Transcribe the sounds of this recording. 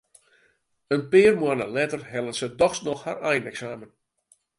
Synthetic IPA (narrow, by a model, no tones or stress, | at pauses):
ənpɪːrmwanə̰lɛtərɦɛlˠənsədɔxsnɔxha̰rɛjnɛksaːmən